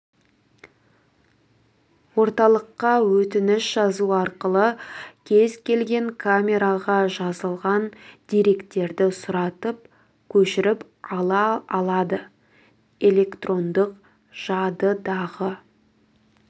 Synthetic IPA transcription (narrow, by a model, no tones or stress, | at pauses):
wo̞ɾt̪ɑlˠəqːɑwɵt̪ɪnɪʃʒɑzuɑɾqəlˠəkʲʰe̞zkʲʰe̞lɡʲe̞ŋkʰamʲe̞ɾaʁɑʒɑzəlˠʁɑnd̪̥eɾe̞kt̪e̞ɾd̪ɪsʊɾɑt̪əp̚ | kʲʰɵʃɪɾɪp | ɑlˠɑːlˠɑd̪ə | e̞lʲe̞kt̪rʔo̞nd̪əq | ʒ̥ɑd̪əd̪ɑʁə